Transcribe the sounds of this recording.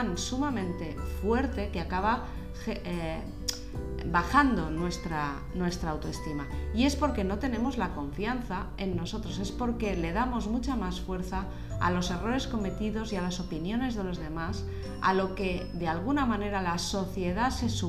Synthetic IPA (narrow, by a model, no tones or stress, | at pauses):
nsumamẽ̞nt̪e̞fwe̞ɾt̪e̞keakaβa | xe | baxand̪o̞nwe̞st̪ɾa | nwe̞st̪ɾaːwt̪oe̞st̪imaie̞spo̞ɾke̞no̞t̪e̞nẽ̞mo̞zlako̞ɱfianθae̞nːo̞so̞t̪ɾo̞se̞spo̞ɾke̞le̞ðamo̞zmut͡ʃamasfwe̞ɾθa | a̰lo̞se̞ro̞ɾe̞sko̞me̞t̪iðo̞sialaso̞pinjo̞ne̞zðe̞lo̞zð̞e̞mas | a̰lo̞ke̞ðealɣ̞unamãne̞ɾalaso̞θje̞ðase̞su